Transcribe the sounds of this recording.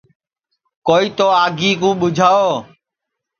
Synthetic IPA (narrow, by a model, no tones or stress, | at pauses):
koːiːt̪oːaːɡʱiːkũːɓʊd͡ʒʱaːoː